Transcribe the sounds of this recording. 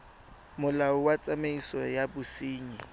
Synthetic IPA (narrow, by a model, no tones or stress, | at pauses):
mʊlaʊwat͡sʼameisɔjabʊsiːɲi